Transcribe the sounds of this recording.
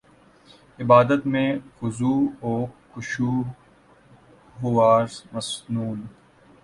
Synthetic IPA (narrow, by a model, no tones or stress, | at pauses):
ɪbaːd̪ət̪mẽxʊzuːɔːkʊʃuː | ɦʊwaːɾmɐsnuːn